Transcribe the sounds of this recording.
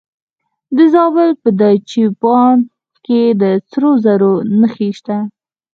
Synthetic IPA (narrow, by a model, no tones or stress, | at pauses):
d̪əzɑbəlpəd̪at͡ʃipɑn | ked̪ət͡sɾozaɾonəxeʃt̪a